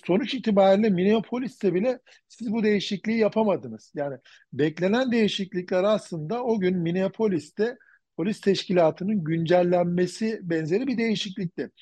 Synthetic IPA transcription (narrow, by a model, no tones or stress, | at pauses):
so̞nut͡ʃit̪ʰibaːɾilʲɛmineopʰo̞lʲist̪ɛbilʲɛ | sizbud̪e̞jiʃiclʲijijapʰamad̪ɯnɯz̥jaːni | bɛclʲe̞nænd̪e̞jiʃiclʲicʲlʲɛɾaslˠɯnd̪ao̞ɟynmineopʰo̞lʲist̪ɛ | pʰolʲist̪ʰɛʃcilʲaːt̪ʰɯnɯnɟynd͡ʒælʲːænme̞sibɛnze̞ɾibid̪e̞jiʃiclʲic̚lʲɛ